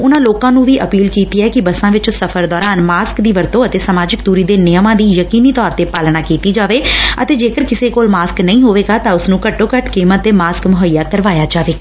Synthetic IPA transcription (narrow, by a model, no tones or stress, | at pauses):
ʊnãːloːkãːnũːʋiːʔəpiːlkiːt̪iːɛːkɪbəsãːʋɪt͡ʃsəfʰəɾd̪ɔːɾaːnmaːskd̪iːʋəɾt̪õːət̪eːsəmaːd͡ʒɪkd̪uːɾiːd̪eːnɪjəmãːd̪iːjəkiːniːt̪ɔːɾt̪eːpaːlɽ̃aːkiːt̪iːd͡ʒaːʋeːə̰t̪eːd͡ʒeːkəɾkɪseːkoːlmaːsknəĩːɦoːʋeːɡaːt̪ãːʊsnũːkəʈːoːkəʈkiːmət̪ːeːmaːskmʊɦəijaːkəɾʋaːjaːd͡ʒaːʋeː